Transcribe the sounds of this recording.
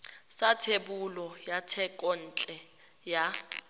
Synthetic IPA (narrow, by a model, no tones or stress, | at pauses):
satʰebulɔjatʰɛkʼɔn̩ːt͡ɬʼɛ | ja